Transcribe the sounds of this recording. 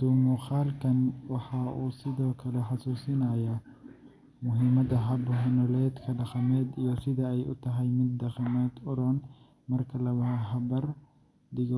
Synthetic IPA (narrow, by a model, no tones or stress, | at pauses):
d̪̥uːmʊχaːlkʰɐnwɑħɑuːsɪðɔːkʰɐlɛħɑsuːsɪnɐjɐ | mʊɦimɐðɐɦɐbɦɛnɔlɛːd̪kʰɐɖɑχɐmɛːd̪ijɞsɪðɐɛjʔʊ̰t̪ʰɐɦɐjmɪd̪ːɐχɑmɛːd̪ʊɾɔn | mɐrkʰɐlɐwɐɦɐɦɐbɐr | d̪ɪɣɔ